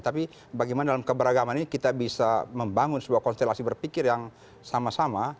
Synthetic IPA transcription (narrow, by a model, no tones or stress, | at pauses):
t̪api | baɡimanadalamkəbəɾaɡamankit̪abisaməmbaŋʊnsəbuakɔnst̪elasibərpikɪrjaŋ | samasama